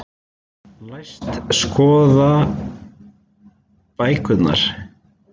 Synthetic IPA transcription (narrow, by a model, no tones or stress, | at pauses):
lajst̪skɔːða | paːjkʰʏt̪na̰ɾ̥